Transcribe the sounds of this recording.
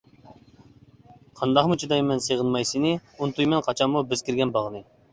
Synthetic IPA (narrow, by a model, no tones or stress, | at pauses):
qʰɑnd̪ɑχmut͡ʃʰid̪ɑjmɛnseʁənmɑjsɨnɨunt̪ʰujmɛnqʰɑt͡ʃʰɑnmubɪz̥kʲʰiɾɡʲɛnbɑʁnɨ